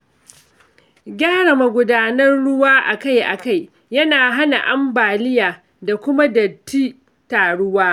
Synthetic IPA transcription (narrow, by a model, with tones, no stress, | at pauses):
ɡʲaː˦ɽɐ˨ma˨ɡʷʊ˦daː˦nɐ˦rɽʊ˦waː˦ʔa˨ka˦˨jʔa̰˨ka˦˨j | jɐ˦naː˨ɦa˦na˨ʔa˦mbaː˨lɪ˦jaː˨ | da˨kʷʊ˦ma˦dɐ˨tːiː˦ | taː˨ɽʊ˦waː˦